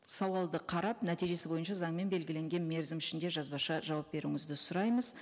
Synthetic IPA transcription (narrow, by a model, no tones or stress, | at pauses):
sɑwɑlˠd̪əqʰɑɾɑpnæt̪ijʒe̞sɪbo̞jənʃɑzɑɴme̞nbe̞lɡʲɪle̞ŋɡʲe̞nme̞ɾzɪmɪʃɪnd̪e̞ʒɑzbɑʃɑʒɑwɑp̚be̞ɾuŋɪzd̪ɪsʊɾɑjməz